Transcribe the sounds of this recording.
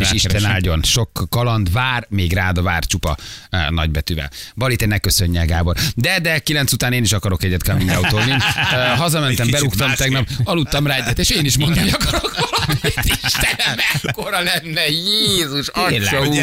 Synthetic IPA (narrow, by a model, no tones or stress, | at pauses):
eːʃiʃt̪ɛnaːlɟo̞nʃo̞kːɒlɒnd̪vaːrmeːɡraːd̪ɒvaːrt͡ʃupɒ̰nɒ̰ɟbɛt̪yvɛ̰lbɒlit̪ɛnɛkːøsø̞ɲːɛɡaːbold̪ɛd̪ɛkilɛnt̪sut̪aːneːniʃɒkɒɾo̞kɛɟːɛt̪kaminɡ̪aut̪oːninɦɒzɒmɛnt̪ɛmbɛɾukt̪ɒmt̪ɛɡnɒp̚ɒlut̪ːɒmraːɛɟːɛt̪eːʃeːniʃmond̪ɔmɒkɾɒkoɾokt̪iʃt̪ɛnɛmɛkkːoɾɒlɛnːɛjeːzuʃɒou